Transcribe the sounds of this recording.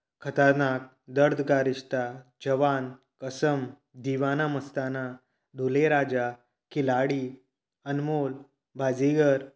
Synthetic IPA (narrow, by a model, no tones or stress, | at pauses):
kʰət̪əɾnak̚ | d̪əɾd̪ʱɡaɾiɕt̪ad͡ʑəʋan | kəsəm | d̪iʋanaməst̪ana | ɖ̪ʱuleɾad͡ʑa | kilaɽiː | ənmol | bʱad͡ziɡəɾ